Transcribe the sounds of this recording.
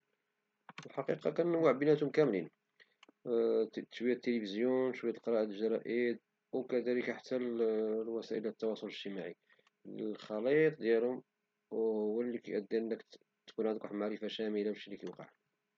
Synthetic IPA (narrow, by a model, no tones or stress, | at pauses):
əlħɑqiqɑkænnːwaʕbənæt̪hʊmkæmlin | t̪ːʃwijæt̪ːelifizjunʃwæt̪əlqɑɾˤɑʔəd̪əlʒɑɾˤɑʔid̪ | wkæd̪æləkaħḁt̪ːælwæsæʔəlæt̪ːɑwɑsˤoləʒt̪əmaʕi | lxɑlit̪ˤd̪jælhʊm | whʊwːælːikæʔæd̪ːiʔənːək | t̪kunʕənd̪kħmaʕɾəfaʃæməlawʃilːikæjuqɑ̰ʕ